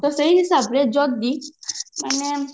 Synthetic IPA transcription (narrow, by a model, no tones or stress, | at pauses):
t̪ɔsəiɦisabɾed͡ʒɔɡ̚d̪iməne